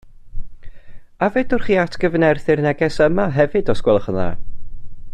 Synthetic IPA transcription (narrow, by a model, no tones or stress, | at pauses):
avɛdʊrχiːatʰɡ̥əvnɛrθɪrnɛɡɛsəmaɦɛvɨdɔskwɛlˠəχəða̰